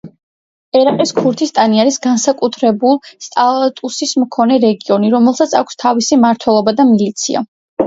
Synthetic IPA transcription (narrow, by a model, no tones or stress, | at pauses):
ɛɾaqʼiskʰuɾt̪ʰist̪ʼaniaɾisɡansakʼut̪ʰɾɛbulˠst̪ʼalˠat̪ʼusismkʰɔnɛɾɛɡiɔniɾɔmɛlˠsat̪sʰa̰kʰst̪ʰavisimaɾt̪ʰwɛlˠɔbad̪amilit̪sʰia̰